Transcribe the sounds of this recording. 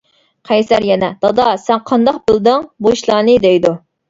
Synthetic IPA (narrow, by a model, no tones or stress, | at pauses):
qʰɛjsæɾjɛnɛd̪̥ɑd̪ɑsɛnqʰɑnd̪ɑqbɨlˠd̪ɨŋboʃlˠɑːnɨd̪ejd̪u